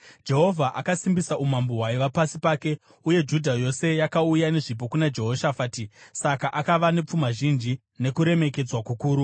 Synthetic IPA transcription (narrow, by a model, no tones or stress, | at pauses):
d͡ʒe̞ɦo̞vʱaʔakasimbisaʔumamboɦwaiʋapasipaːke̞ | uje̞d͡ʒudʱajo̞se̞jakaujane̞ʐip̬o̞kunad͡ʒe̞ɦo̞ʃafaːtisakaʔakaʋane̞p͡fumaʒind͡ʒi | ne̞kuɾe̞me̞ke̞d͡zwakukuːɾu